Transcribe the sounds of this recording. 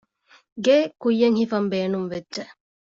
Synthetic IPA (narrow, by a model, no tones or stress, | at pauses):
ɡeːkujːɐŋhifɐmbeːnumʋedːd͡ʒʒeʔ